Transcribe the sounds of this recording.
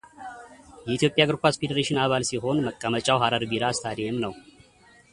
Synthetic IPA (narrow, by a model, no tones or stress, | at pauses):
jɛit̪jo̞pʼːjaɡɨɾkʷasfedəɾeʃɪnaβalsiɦo̞nməkʼːəmət͡ʃʼawɦaɾəɾbiɾast̪ʰad̪emnəw